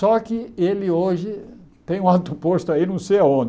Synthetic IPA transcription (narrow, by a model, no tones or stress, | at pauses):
sɔkɪelɪoʒɪt̪ẽj̃ũawt̪upoʃt̪ʊainɐ̃w̃sejaõnd̪ɪ